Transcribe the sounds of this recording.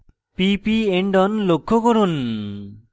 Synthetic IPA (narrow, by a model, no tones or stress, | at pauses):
pipieɳɖɔnlokʰːɔkɔɾun